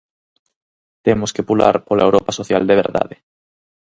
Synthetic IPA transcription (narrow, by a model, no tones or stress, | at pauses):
t̪emʊskepula̰ɾpolaewɾɔpasoθjald̪eβeɾða̰ðɪ